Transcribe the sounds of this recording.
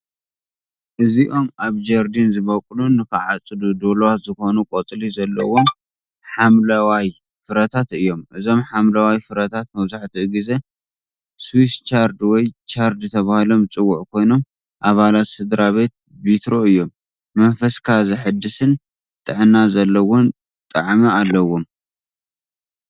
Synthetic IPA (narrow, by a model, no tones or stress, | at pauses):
ʔɨziʔo̞mʔaβd͡ʒɐɾd̪inzɨβɐkʼlunɨkɨʕat͡sʼːɨd̪ud̪olwaz̥ɨxo̞nukʼot̪ʼlizɐlːɐwun | ħamlɐwaj | fɨɾɐt̪ʰat̪ɨjːo̞mʔɨzo̞mħamlɐwajfɨɾɐt̪ʰat̪̚mɐβzaħt̪ʰiʔɨɡize̞ | swist͡ʃaɾd̪wɔjt͡ʃaɾd̪ɨt̪ʰɐβahɨlo̞mt͡sʼɨwːuʕkʰo̞jno̞m | ʔaβalat̪sɨd̪ɾaβe̞t̪̚ | bit̪ɾo̞ɨjːo̞mː | ɐnfɐskʰazɨħɨd̪ːɨsɨn | t̪ʼɨʕɨnazɐlːɐwʊn | t̪ʼɐ̰ʕmɐalːɐwom